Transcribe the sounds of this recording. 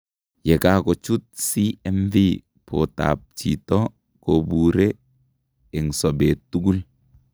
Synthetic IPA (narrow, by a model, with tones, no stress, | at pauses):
jɛ˨ka˦kɔ˨t͡ʃu˦t̚si˦ɛ˦mvi˦ | pʰo̰˨ta̰˨p̚t͡ʃḭ˨tɔ˦ | ko˨bu˨ɾe˦ | ɛ˨ŋsɔ˨be˨tːu˦ɡu˦l